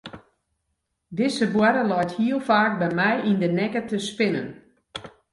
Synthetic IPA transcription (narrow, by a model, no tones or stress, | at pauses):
dɪsəbwɛɾəlɔjthiəlˠfaːk̚bɛjmɛjindənɛkətəspɪnə̰n